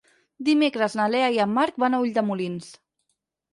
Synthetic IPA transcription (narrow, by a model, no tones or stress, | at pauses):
d̪imekɾəznalɛaiəmːaɾk̚banauʎʲd̪əmulins